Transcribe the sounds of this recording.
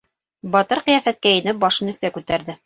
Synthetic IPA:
bɑt̪ɤɾqɤ̆jæfæt̪̚kæjɘ̆nɘp̚bɑʃɤnɵ̆θkækʉt̪æɾðɘ

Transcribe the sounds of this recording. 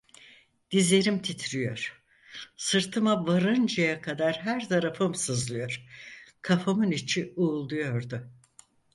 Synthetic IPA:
d̪̥ize̞ɾimt̪ʰit̪ʰɾijo̞̰ɾ̥ | sɯɾt̪ʰɯmavaɾɯnd͡ʒajakʰad̪aɾɦæɾt̪ʰaɾafɯmsɯzlˠɯjoɾ̥kʰafamɯnit͡ʃʰiuːlˠd̪ujo̞ɾd̪ʊ

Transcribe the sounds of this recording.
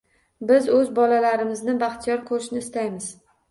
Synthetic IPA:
bɪzɵzbɒlalaɾɪmɪznɪbaχt̪ʰijɒɾkʰoɾɪʃnɪːst̪ajmɪz̥

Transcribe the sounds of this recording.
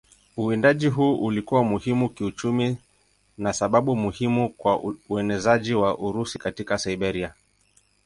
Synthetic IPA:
uindaʄiɦuːʔulikuwamuhimukiut͡ʃumi | nasaɓaɓumuhimukwauɛnɛzaʄiwaʔuɾusikatikasaiɓɛɾia

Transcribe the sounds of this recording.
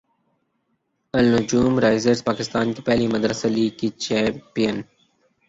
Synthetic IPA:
ɐlnʊd͡ʒuːmɾaːɪzəɾzpaːkɪst̪aːnkipɛɦlimɐd̪ɾəseliːɡkit͡ʃɛːmpijən

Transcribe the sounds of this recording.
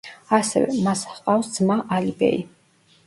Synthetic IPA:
asɛvɛ̰masqʼafsd̪z̥maʔalibɛ̰i

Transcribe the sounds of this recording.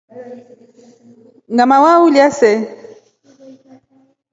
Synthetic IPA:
ŋɡamawauljasɛ

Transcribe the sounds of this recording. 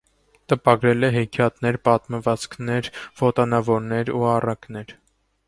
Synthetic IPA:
t̪əpɑɡɾɛlɛɦɛkʰjɑt̪nɛɾpɑt̪məvɑt͡skʰnɛɾvɔt̪ɑnɑvɔɾnɛɾuɑrɑknɛɾ

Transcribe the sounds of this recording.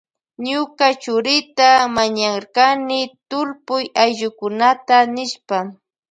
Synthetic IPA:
ɲʊkat͡ʃʊɾɪt̪amaɲaɾkanɪt̪ʊɾpʊjajʎʊkʊnat̪anɪʃpa

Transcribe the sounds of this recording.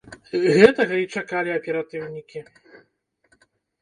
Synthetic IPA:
ɣɛt̪ɐɣɐit͡ʂakalʲiɐpʲɛɾat̪ɨwnʲikʲi

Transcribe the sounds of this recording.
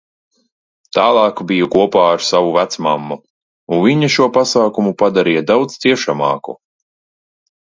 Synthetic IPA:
t̪aːlˠɑːkbijukuɔpaːaɾsavuvæt̪smamːu | unviɲaʃuɔpasaːkumupad̪aɾijad̪awd̪zt̪siɛʃamɑːku

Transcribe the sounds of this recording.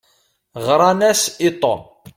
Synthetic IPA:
ʁɾˤɑnæsit̪ˤo̰n

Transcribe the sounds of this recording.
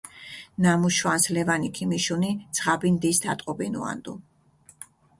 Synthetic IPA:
namuʃwanslɛvanikʰimiʃunid̪sʰʁabind̪isd̪at̪ʼqʼɔbinṵa̰nd̪ṵ

